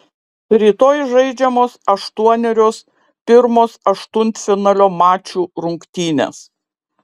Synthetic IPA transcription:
ɾʲiːt̪oːjʒɐɪd͡ʒʲɛmoːsɐʃt̪uɔnʲɛɾʲoːs | pʲɪɾmoːsɐʃt̪ʊnʲt̪ʲfʲɪnɑlʲoːmɑːt͡ʃʲuːɾʊŋkt̪ʲiːnʲḛs

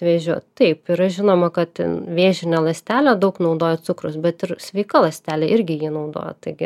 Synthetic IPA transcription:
ʋʲeːʒʲuːtt̪ɐɪpɪɾɐʒʲɪnoːmɐkɐt̪ʋʲeːʒʲɪnʲɛlˠɐsʲt̪ʲæːlʲod̪ɐʊknɒʊd̪oːjot͡s̪ʊkɾʊsbʲɛt̪ɪɾsʲʋʲɛɪkɐlˠɐsʲt̪ʲæːlʲeːʔɪɾʲɡʲɪjiːnɒʊd̪o̰ːjɛ̰t̪ɐɪɡʲɪ

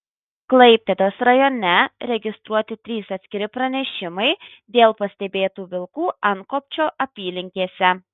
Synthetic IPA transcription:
klˠɐɪpʲt̪ʲed̪oːsɾɐjoːnʲɛɾʲɛɡʲɪst̪ɾuɔt̪ʲɪt̪ʲɾʲiːsɐt̪sʲkʲɪɾʲɪpɾɐnʲɛʃʲɪmɐɪd̪ʲeːlˠpɐsʲt̪ʲɛbʲeːt̪uːʋʲɪlˠkuːɐŋkoːpʲt͡ʃʲoːʔɐpʲiːlʲɪŋʲkʲeːsʲɛ

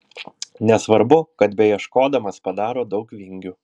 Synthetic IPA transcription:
nʲɛsʋɐɾbʊkɐt̪bʲɛjiɛʃkoːd̪ɐmɐspɐd̪ɑːɾoːd̪ɒʊkʋʲɪŋʲɡʲu

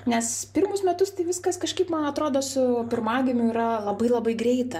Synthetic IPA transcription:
nʲɛspʲɪɾmʊsmʲɛt̪ʊst̪ɐɪʋʲɪskɐskɐʃʲkɐɪpmɐnɐt̪ɾoːd̪oːsʊpʲɪɾmɑːɡʲɪmʲʊiɾɐlˠɐbɐɪlˠɐbɐɪɡɾʲɛɪt̪ɐ

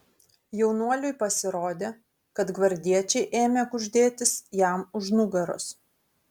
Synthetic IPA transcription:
jɛʊnuɔlʲʊɪpɐsʲɪɾoːd̪ʲeː | kɐt̪ɡʋɐɾʲd̪ʲiɛt͡ʃʲɛɪʔeːmʲekʊʒʲd̪ʲeːt̪ʲɪsjæmʊʒnʊɡɐɾʊ̰s

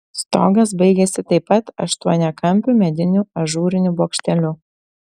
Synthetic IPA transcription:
st̪oːɡɐs̬bɐɪɡʲɛsʲɪt̪ɐɪpːɐt̪ɐʃt̪uɔnʲɛkɐmʲpʲʊmʲɛd̪ʲɪnʲuɐʒuːɾʲɪnʲʊboːkʃʲt̪ʲɛlʲʊ

